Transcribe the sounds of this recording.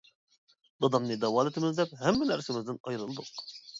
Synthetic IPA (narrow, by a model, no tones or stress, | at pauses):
d̪ɑd̪ɑmnɨd̪ɑwɑlˠɪt̪ɪmɪzd̪ɛphæmːænæɾsɪmɪzd̪ɪnɑjɾɯlˠd̪ʊq